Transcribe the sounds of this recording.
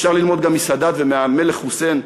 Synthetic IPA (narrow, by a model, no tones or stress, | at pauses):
ʃaʁlilmo̞d̪ɡamːisad̪at̪vemeameleχuse̞n